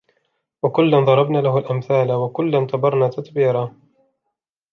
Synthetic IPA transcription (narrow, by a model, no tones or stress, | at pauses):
wakʊlːanðˤɑɾˤɑbnaːlahʊalʔamθaːlawakʊlːant̪ɑbɑɾˤnaːt̪at̪biːɾˤaː